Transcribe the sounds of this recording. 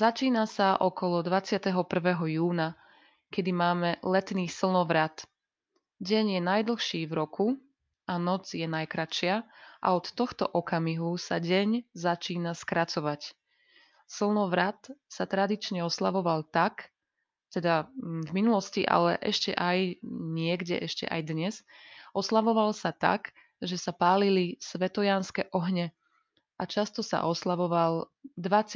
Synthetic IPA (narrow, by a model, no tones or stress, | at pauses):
zat͡ʃiːnasaʔɔkɔlɔd̪ʋat͡sɪat̪ɛɦɔpr̩ʋɛɦɔjuːna | kɛd̪imaːmɛlɛt̪niːsl̩ˠnɔʋɾat̪ | ɟɛɲjɛnajd̪l̩xʃiːvɾɔku | anɔd͡zjɛnajkɾaʃɪaʔa̰ɔt̪ːɔxt̪ɔʔɔkamiɦusaɟɛɲzat͡ʃiːnaskɾat͡sɔʋac | sl̩ˠnɔʋɾat̪sat̪ɾad̪it͡ʃɲɛɔslaʋɔʋalt̪ak | t̪ɛd̪avminulɔsciʔa̰lɛʔɛ̰ʃcɛ̰ʔajɲɪɛɡɟɛ̰ʔɛʃcɛ̰ʔa̰jd̪ɲɛzʔɔslaʋɔʋalsat̪a̰k | ʒɛsapaːlilisʋɛt̪ɔjanskɛʔɔɦɲɛ | ʔat͡ʃast̪ɔsa̰ʔɔslaʋɔʋald̪ʋat͡s